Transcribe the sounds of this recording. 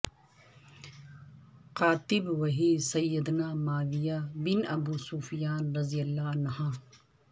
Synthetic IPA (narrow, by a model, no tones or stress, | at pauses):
qaːt̪ɪbʋɐɦisɐjːəd̪naːmaːʋijaːbɪnɐbuːsuːfijaːnɾɐzijəlːaːnhãː